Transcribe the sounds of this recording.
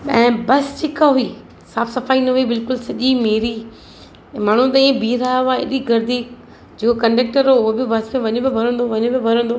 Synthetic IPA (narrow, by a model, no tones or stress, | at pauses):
ɓɐ̰̃ːɪ̃bɐst͡ɕɪkaɦuiː | saːfsɐfaːinɐɦuibɪlkʊlsɐʄimeːɾi | maːɳ̤ũt̪ɐĩbiːɾaːʋaeɗiɡɐɾd̪ʱiː | d͡ʑeːkokɐ̃ɳɖeːk̚ʈəɾoʊɦobɪbɐsmẽʋɐɲobɪbʱɐɾə̃nd̪oʋɐɲõbɪbʱɐɾə̃nd̪oː